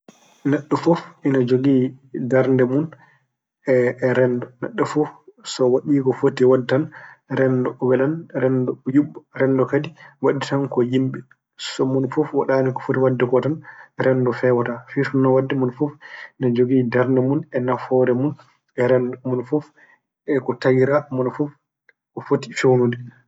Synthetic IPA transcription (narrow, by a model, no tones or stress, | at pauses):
naɗːufɔfʔinad͡ʒoɡiːdaɾndɛmun | ɛɾɛndɔna̰ɗːɔfɔfsɔwaɗiːkɔfotiwadːanɾɛndɔɔwɛlanɾɛndɔjuɓːɔɾɛndɔkadiwaɗitankɔjimɓɛ | sɔmunfufwaɗaːnikɔfotiwadːɛkɔtanɾɛndɔfɛwatafitunːawadːɛmunfufnad͡ʒoɡidaɾnamunɛnafɔɾɛmun | ɛɾɛndɔmunfuf | ɛkɔtajiɾamɔnfuf | kɔfoti̥fewnudi